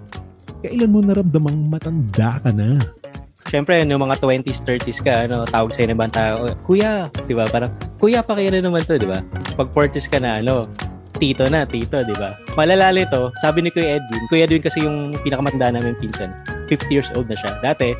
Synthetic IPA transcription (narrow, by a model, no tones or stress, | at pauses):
kɐʔɪlanmonɐɾɐmd̪ɐmɐŋmɐt̪ɐnd̪akɐna | ʃɛmpɾɛnʊŋmɐŋat̪wɛnt̪ist̪ɛɹt̪iskɐʔɐno̞t̪aːwɐɡ̚sɐjɐnɪbɐŋt̪aːʔokuːjad̪̥ɪbapaːɾɐŋkuːjɐpɐkɐjɐnɐnɐmant̪o̞d̪ɪbapɐɡ̚poɹt̪ɪskɐnɐʔɐno̞ | t̪iːt̪o̞nɐt̪iːt̪o̞d̪ɪbamɐlalaːlɪt̪o̞saːbɪnɪkojʔɛd̪̚ɡɪnkuːjɐd̪ʊɪnkɐsijʊŋpinɐkɐmɐt̪ɐnd̪aʔɐnaːmɪnpinsɐnfɪft̪ijiːɹsʔoːld̪̚nɐʃad̪aːt̪ɛ